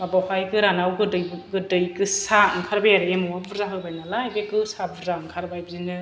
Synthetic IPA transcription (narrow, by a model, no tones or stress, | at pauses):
mabawhajɡɯɾanawɡɯdɯjɡɯdɯjɡɯsaɯŋkʰaɾbajaɾɯemɔwabɯɾzaɦɯbajnalajbekɯsabuɾzaŋkʰaɾbajbzinɯ